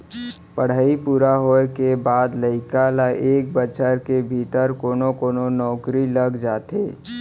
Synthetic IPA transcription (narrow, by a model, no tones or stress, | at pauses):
pəɽ̤aːipuːɾaɦoekebaːd̪ləɪkalaʔeːk̚bət͡ʃəɾkebʱit̪əɾkoːnokoːnonɔːkɾiləɡd͡ʒaːt̪eː